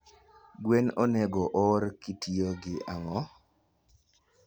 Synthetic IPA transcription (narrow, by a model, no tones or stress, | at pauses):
ɡwenoneɡɔʔɔɾkitioɡɪaŋɔ